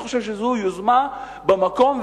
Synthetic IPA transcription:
xoʃeʃezujuzman | bemako̞mv

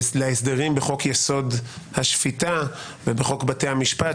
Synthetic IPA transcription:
leesd̪eʁimbeχo̞kjeso̞d | haʃfita | vebeχo̞kbate̞jhamiʃpa

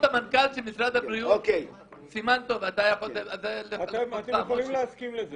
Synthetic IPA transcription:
tamankalʃemisʁad̪habʁiuokej | simant̪o̞vad̪ajaχolead̪aleltamlimleaskimleze

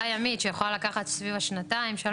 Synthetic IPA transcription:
ajamit̪ʃejaχlalakaχat̪svivaʃnat̪aimʃea

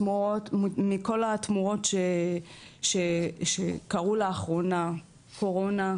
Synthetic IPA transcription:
muotmimiko̞lat̪muʁo̞tʃe | ʃeʃekaʁuleaχʁo̞na | kʰo̞ʁo̞na

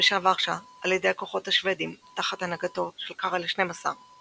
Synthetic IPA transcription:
eʃavaχʃa | aljed̪e̞jako̞χo̞thaʃved̪imt̪aχat̪anaɡat̪o̞ʃelkaʁaleʃne̞jmasa̰ʁ

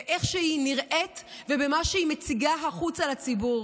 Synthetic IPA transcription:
eʔe̞χʃeiniʁʔe̞tvebemaʃeimet͡siɡaɦaχut͡salat͡sibuʁ

